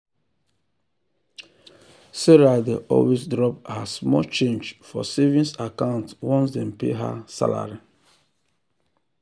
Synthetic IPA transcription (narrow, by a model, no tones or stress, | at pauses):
sɛɹadeʔɔ̰lwesdɹɔphasmɔt͡ʃẽnd͡ʒfɔ̰sevĩnsakãʊ̃ntwɔ̃ns̬dɛ̃npḛɦa̰sa̰la̰ɹi